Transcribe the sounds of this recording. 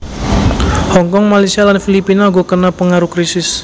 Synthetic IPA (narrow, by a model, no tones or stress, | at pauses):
hɔŋkɔŋmalajsialanfilipinaɡɔkənapəŋaɾukɾisɪs